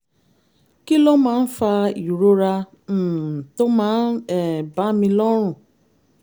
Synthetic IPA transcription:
ki˦lo˦ma˨n̩˦fa˦i˨ɾo˦ɾa˦ | n̩˨tʊ˦ma˦ɛ˨ba˦mi˦lɔ˦ɾʊ˨

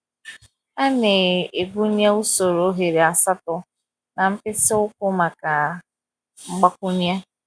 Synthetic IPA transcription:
a˦ne˨e˨ɡʷu˦ɲ˦a˦u˦so˨ɾo˨˦ɦe˨ɾe˨a˨sa˦tʊ˨ | na˨m̩˦pɪ˦sɪ˦ʊ˦kʊ˦ma˨ka˨ | ŋ͡m̩˦ɡ͡ba˦kʷʊ˦ɲ˦a˦

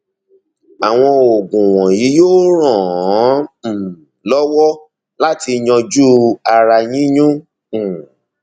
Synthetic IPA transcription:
a˨w̃ɔ̃˧o˨ɡũ˨w̃ɔ̃˨ji˨˦joː˦ɾ̃ɔ̃˦˨˦ | m̩˨ | lɔ˦wɔ˦ | la˦ti˧ɲɔ̃˧d͡ʒu˦a˧ɾa˧jĩ˦ɲũ˦˨

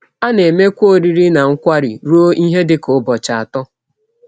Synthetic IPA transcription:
a˦ne˨me˦kʷo˦ɾi˦ɾi˦na˨ŋ̩˦kʷa˦ɾḭ˨ɾu˦o˦i˦ɦe˦dɪ˦kʊ˦bɔ˨t͡ʃa˨a˨tɔ˦

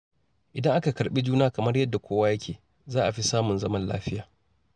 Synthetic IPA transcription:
ʔɪ˨dɐ˦ŋʔa˦ka˨kɐ˨ɾɓi˦d͡ʒuː˦naː˦kɐ˨mɐ˦rjɐ˦dːa˨kʷoː˦wa˦jɐ˦kʲʰeː˨ | zaː˦ʔa˨ɸi˦saː˦mʊ˨nzɐ˦mɐ˦nla̰ː˦ɸɪ˦jaː˨

